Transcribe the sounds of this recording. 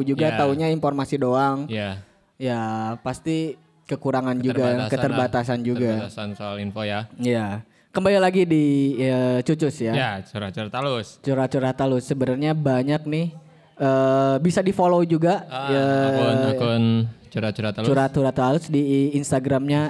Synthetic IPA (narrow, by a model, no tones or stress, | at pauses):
d͡ʒuɡat̪auɲainformasidoaŋja | japast̪i | kəkuɾaŋand͡ʒuɡakəərbat̪asand͡ʒuɡasansoalinfojaja | kəmbalilaɡidiət͡ʃut͡ʃʊsjajat͡ʃuɾat͡ʃuɾat̪alʊst͡ʃuɾat͡ʃuɾat̪alʊsːəbənarɲabaɲak̚nɪh | əːbisadifolowd͡ʒuɡaə | nt͡ʃuɾat͡ʃuɾat̪t͡ʃuɾat̪uɾat̪alʊsdiːnst̪aɡɾamɲa